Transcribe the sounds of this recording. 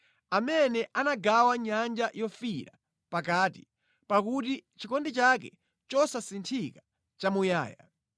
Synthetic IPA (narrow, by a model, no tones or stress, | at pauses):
amɛnɛʔanaɡawaɲand͡ʒajɔfiɾa̰ | pakaːtḭ | pakutit͡ʃikɔndit͡ʃakɛ̰ | t͡ʃɔsasintʰika | t͡ʃamuja̰ːja̰